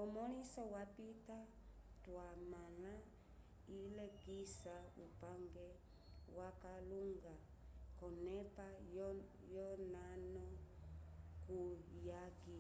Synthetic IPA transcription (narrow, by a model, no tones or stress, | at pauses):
ɔmɔlisɔwapita | twamala | ilɛɡisaupaŋɡɛ | wakaluŋɡa | kɔnɛpa | jɔnanɔ | kujaɡi